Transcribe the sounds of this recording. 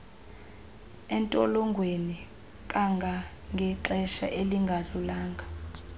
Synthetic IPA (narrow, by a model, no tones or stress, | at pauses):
ɛntʼɔlɔŋɡʱweni | kʼaŋɡʱa | ŋɡʱɛǁɛʃa̰ʔeliŋɡʱaɮulaːŋɡʱa